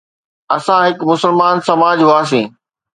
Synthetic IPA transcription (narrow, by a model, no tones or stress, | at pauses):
ɐsãɦɪkmʊsəlmaːnsɐmaːd͡ʑɦʊaːs̬ĩː